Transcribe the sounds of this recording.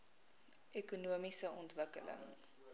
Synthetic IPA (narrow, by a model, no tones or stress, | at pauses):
ekunuəmisəʔɔntvəkələ̰ŋ